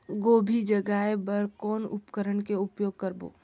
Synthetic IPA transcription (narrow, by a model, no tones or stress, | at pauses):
ɡoːbʱid͡ʒəɡaebəɾkɔːnʊ̰pkəɾənkeʊpjoːɡ̚kəɾbo̰ː